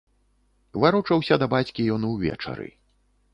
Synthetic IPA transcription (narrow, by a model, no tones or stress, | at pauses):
vaɾut͡ʂɐwsʲɐd̪ɐbat͡sʲkʲijɔnuwvʲɛ̰t͡ʂɐ̰ɾɨ̰